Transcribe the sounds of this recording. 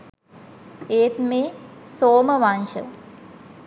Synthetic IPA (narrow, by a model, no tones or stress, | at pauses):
eːt̪meːsoːmɐʋanʃɐ̰